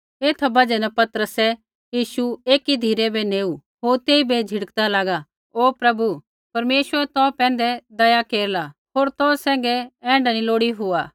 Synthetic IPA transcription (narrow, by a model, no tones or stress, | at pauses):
eːt̪ʰabɐd͡ʒɛnɛpɐt̪əɾəsɛ | jiːʃueːkid̪ʱiːɾɛbɛneːu | ɦoːɾt̪eːibed͡ʒʱɪɽəkd̪alaːɡa | oːpɾɐbu | pɐɾmeːʃwəɾɛt̪ɔ̃ːpɛ̃ːnd̪ɛd̪ɐjakeːɾlaɦoːɾt̪ɔ̃ːsɛ̃ːŋɡɛɛ̃ːɳɖaniloːɽiɦʊaː